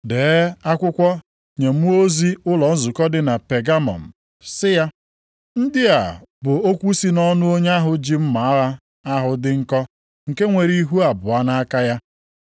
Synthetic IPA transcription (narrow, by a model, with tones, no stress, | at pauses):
deː˨˦a˦kʷʊ˦kʷɔ˦ | ɲe˨m̩˦o˦zi˦ʊ˦lɔ˨n̩˦zʊ˨kɔ˦dɪ˨na˨pe˨ɡa˦mɔ̰˨n̩˨ | sɪ˦ja˦ | n̩˦dɪ˦a˨bʊ˨o˦kʷu˦si˦nɔ˦nʊ˦o˦ɲ˦a˦ɦʊ˨d͡ʒi˦m̩˦ma˨˦a˦ | a˦ɦʊ˨dɪ˦ŋ̩˦kɔ˦ | ŋ̩˨ke˦ŋʷe˨ɾi˦ɦu˦a˨bʊ˨a˦na˦ka˦ja˦